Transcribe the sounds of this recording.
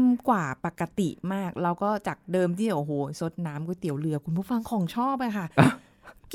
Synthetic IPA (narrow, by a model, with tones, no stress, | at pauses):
mkwaː˨˩pa˨˩kːa˧t̪ḭ˨˩maː˥˩k̚ɾa˧wkɔː˥˩t͡ɕa˨˩k̚dɤː˧mt̪ʰiː˥˩ʔo˨˩ɦoː˨˩˦so˧˦˥t̪̚naː˦˥mkɔː˥˩t̪i˨˩˦wlɯ˧ɐkʰu˧npʰu˥˩fa˧ŋkʰɔː˨˩˦ŋt͡ɕʰɔː˥˩p̚ʔa˧jkʰa˥˩˥ | k